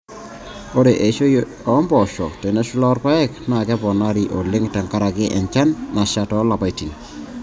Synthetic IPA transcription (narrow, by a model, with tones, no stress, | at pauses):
o˦ɾe˨ʔe˨ʃo˦j | ɔ˨˦mbɔ˨ʃɔ˨tɛ˨nɛ˦ʃu˦lɔ˦rpa˦ɛ˦kna˨kɛ˦bɔ˨na˦ɾi˨ʔo˨le˦ŋtɛ˨ŋka˦ɾa˨kɪ˦ʔɛ˨ɲt͡ʃa˦nːa˨ʃa˦tɔ˦la˨pa˨jti˨n